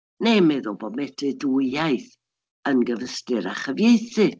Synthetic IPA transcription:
nemɛðʊlˠbɔmɛtʰɨduajθ | ənɡəvəstɨɾa̰χəvjejθɨ

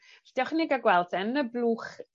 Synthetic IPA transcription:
ɬd̥iɔχnɪɡaɡwɛlˠtʰənəblˠuːχ

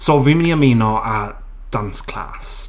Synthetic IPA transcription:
soːviːmɪniamiːnɔʔa | d̥anskʰl̥a̰ːs

